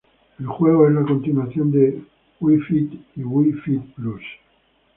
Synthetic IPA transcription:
elxweɣoezlakont̪inwaθjond̪e | wifit̪iwifit̪̚plus

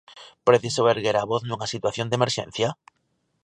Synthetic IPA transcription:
pɾeθisoβeɾɣeɾaβoθnuŋasit̪waθjond̪emeɾʃḛ̃n̟θja

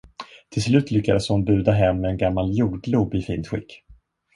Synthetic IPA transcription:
t̪ʰɪlslʉ̟ːt̪ʰlʏkːad̪əshʊnbʉ̟ːd̪aɦɛmːɛɛnɡamːaljuːɖluːbɪfiːnt̪ɧɪ̰kː

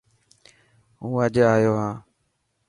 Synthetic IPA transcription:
ɦũːəd͡ʒaːjoːɦãː

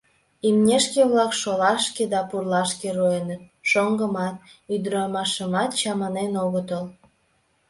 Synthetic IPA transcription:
imnʲeʃkeβlɑkʃolɑʃked̪ɑpurlɑʃkeroenət̪̚ʃoŋɡəmɑt̪̚yd̪ɾɑmɑʃəmɑt̪t͡ɕɑmɑnenoɣət̪əl

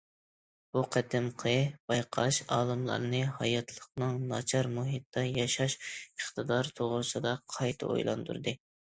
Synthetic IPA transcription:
b̥uqʰɛd̪ɪmqʰəb̥ɑjqʰɑʃɑːlˠɨmlˠɑ̰ɾnɨɦɑjɑt̪ʰlˠəqnɨŋnɑt͡ʃʰɑɾmuɦit̪d̪ɑjɑʃɑʃəχt̪ɨd̪ɑɾt̪ʰoʁɾsɨd̪ɑqʰɑjt̪ʰɨ̰ʔo̰jlˠɑ̰nd̪ṵɾd̪ɨ

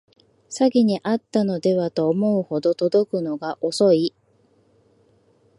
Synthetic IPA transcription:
saɡʲiɲ̟iʔat̪ːano̞d̪e̞βat̪o̞ːmo̞ɯ̟ho̞d̪o̞t̪o̞d̪o̞kɯ̟no̞ɡaʔo̞so̞i

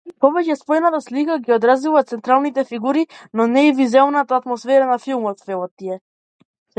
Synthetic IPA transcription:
pɔbɛcɛspɔjnat̪aslikaɡiɔd̪ɾazuvat̪sɛnt̪ɾalˠnit̪ɛfiɡuɾinɔnɛivizɛlˠnat̪aːt̪mɔsfɛɾanafilˠmɔt̪vɛlˠat̪ːiɛ

